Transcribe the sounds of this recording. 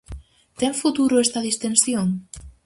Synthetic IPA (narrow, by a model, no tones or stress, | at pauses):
t̪eɱfut̪uɾoest̪aðist̪ensjon